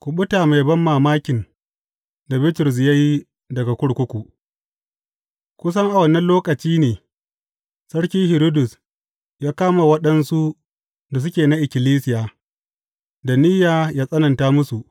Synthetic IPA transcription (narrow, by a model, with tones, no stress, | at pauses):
kʷʊ˨ɓʊ˦taː˨ma˨jbɐ˦mːaː˨maː˦kʲɪ˨n | da˨bɪ˦tʊ˨ɾs̬ɪ˨jɐ˦j | dɐ˨ɡa˨kʷʊ˦ɽkʷʊ˦kʷu˨ʔ | kʷʊ˦s̬ɐ˦ŋʔa˨wɐ˨nːɐ˦nloː˦kʼɐ˨t͡ʃiː˦neː˨ | sɐ˦ɽkʲiː˦hɪ˨ɾo˦dʊ˨s | jaː˦kaː˦ma˨wɐ˦ɗɐ˦nsu˦ | da˨s̬ʊ˦kʲeː˨na˦ʔɪ˨kʲɪ˨liː˦sɪ˨jaː˨ | da˨nɪ˦jaː˨jaː˦sʼɐ˦nɐ˨ntaː˦mʊ˦su˨ʔ